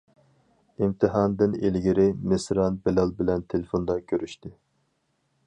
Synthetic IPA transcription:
imt̪ʰɨɦɑːnd̪ɪnelɡʲiɾɪmɪsɾɑnbelɑlˠbɪlɛnt̪ʰelɪfond̪ɑkʲʰøɾyʃt̪ɪ

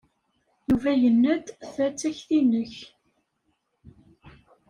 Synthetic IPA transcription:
juvæjənːæd̪θæt͡sːæçθinəç

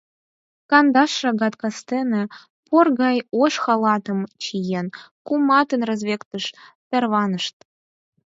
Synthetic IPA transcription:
kɑnd̪ɑʃːɑɣɑt̪kɑst̪enĕ | porɣɑjoʃxɑlˠɑt̪ɤ̆mt͡ɕijenkumɑt̪ə̆nrɤ̆zβʲekt̪ə̆ʃt̪ĕrβɑnɤ̆ʃt̪̚

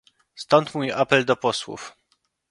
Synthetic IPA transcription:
st̪ɔnt̪mujʔapɛld̪ɔpɔswṵf

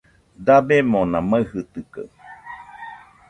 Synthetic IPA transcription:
d̪abemõnãmaɨhɨt̪ɨka̰

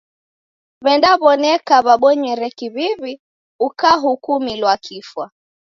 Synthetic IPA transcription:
βɛndaβɔnɛkaβaɓɔɲwɛɾɛkiβiβi | ukaɦukumilwakʰifwa

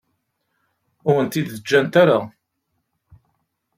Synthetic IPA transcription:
ʊɾənt̪id̪əd͡ʒːænt̪aɾa

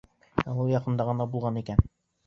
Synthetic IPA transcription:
æwɤjɑqɤ̆nd̪ɑʁɤ̆nɑbulˠʁɑnikæn

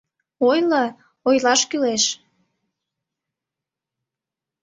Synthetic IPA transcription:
ojlə | ojlɑʃkyleʃ

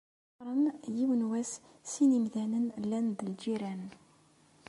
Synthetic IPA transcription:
ɾˤənjiwənwæs | sinimðænənlːænd̪əld͡ʒiɾæn

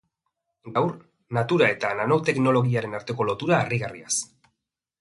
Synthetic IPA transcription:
ɡawɾ | nat̪uɾae̞t̪anano̞wt̪e̞kno̞lo̞ɣiaɾe̞naɾt̪e̞ko̞lo̞t̪uɾaːriɣarias

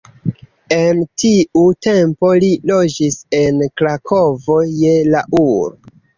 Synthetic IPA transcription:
e̞ntʰiute̞mpo̞lilo̞d͡ʒise̞nkɾakʰo̞vo̞je̞laʔuɾo

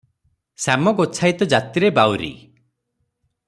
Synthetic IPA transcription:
samɔɡot͡ʃʰajt̪ɔd͡ʒat̪iɾebawɾḭ

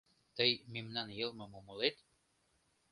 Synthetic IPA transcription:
t̪ɤjmimnɑnjɤ̆lˠmɤ̆momolet̪

